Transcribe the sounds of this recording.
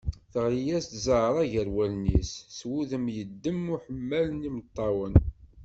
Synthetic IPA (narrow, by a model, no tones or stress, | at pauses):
θəʁɾijæst̪zəɾˤæʝəɾwælnisːwuðəmjəd̪ːəmʊħəmːælnimət̪ˤːɑwən